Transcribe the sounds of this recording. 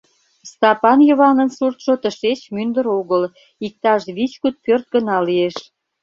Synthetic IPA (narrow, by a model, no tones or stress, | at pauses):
st̪ɑpɑnjoβɑnənsurt̪ʃot̪əʃet͡ɕmynd̪əɾoɣəl | ik̚t̪ɑʃβit͡ɕkut̪̚pørt̪̚ɡənɑlieʃ